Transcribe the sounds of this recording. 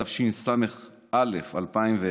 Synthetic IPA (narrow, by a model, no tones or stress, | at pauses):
afʃinsame̞χ | ʔalefalpaimve